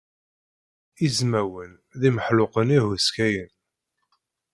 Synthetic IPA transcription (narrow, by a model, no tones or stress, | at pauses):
izmæwən | ðiməħlʊqənihuskæjən